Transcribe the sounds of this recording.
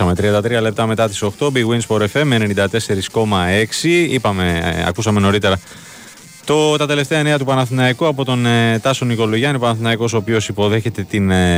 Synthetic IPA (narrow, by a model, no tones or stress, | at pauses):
ɐme̞t̪ɾiɐnd̪ɐt̪ɾiɐle̞pt̪ɐme̞t̪ɐt̪i̥so̞xt̪o̞biɣwinspo̞ɾe̞fe̞menenind̪ɐt̪e̞se̞ɾisko̞mɐe̞ksiipɐme̞̰ɐ̰kusɐme̞no̞ɾit̪e̞ɾɐ | t̪o̞t̪ɐt̪e̞le̞ft̪e̞ɐeneɐt̪upɐnɐθinɐikoɐpo̞t̪o̞net̪ɐso̞niko̞loʝɐniopɐnɐθinɐiko̞s̬oːpio̞sipo̞ðe̞çe̞t̪e̞t̪in